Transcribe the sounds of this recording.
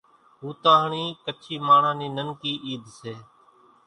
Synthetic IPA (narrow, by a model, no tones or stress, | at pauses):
ɦuːt̪aːɦɳiːkət͡ʃʰiːmaːɳ̤ãːniːnənkiːʔiːd̪ʱseː